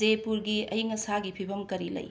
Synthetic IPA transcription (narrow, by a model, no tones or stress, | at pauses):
epuɾɡiɐjŋɐsaɡipʰibɐmkɐɾilɐ̰j